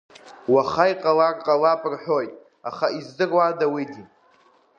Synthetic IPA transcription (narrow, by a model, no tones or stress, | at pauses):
waχajqʼalarqʼalapʼrħʷᶣo̞jtʼ | aχaizdɨrwadawidi